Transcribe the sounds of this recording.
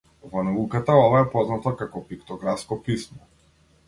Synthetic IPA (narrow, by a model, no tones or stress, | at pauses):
vɔnaukat̪aɔvaɛpɔznat̪akakɔpikt̪ɔɡɾafskɔpismɔ